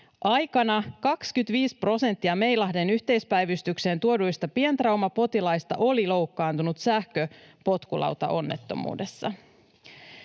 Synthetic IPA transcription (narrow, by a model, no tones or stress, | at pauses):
ʔɑjkɑnɑkɑkskyt̪ʋiːspro̞se̞nt̪ːiɑme̞jlɑɦde̞nyht̪e̞jspæjʋyst̪ykse̞ːnt̪uodujst̪ɑpient̪rɑwmɑpo̞t̪ilɑjst̪ɑ̰ʔo̞lilo̞wkːɑːnt̪unut̪sæhkøpo̞t̪kulʔɑ̰wt̪ɑ̰ʔo̞nːe̞t̪ːo̞̰mṵːde̞sːɑ̰